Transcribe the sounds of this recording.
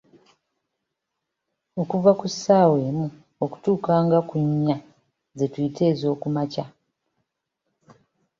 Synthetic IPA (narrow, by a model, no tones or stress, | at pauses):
o̞kuvakusːaːwe̞ːmu | o̞ku̥tuːkaːŋɡakuɲːa | zetwiːtʰe̞ːzo̞ːkumaca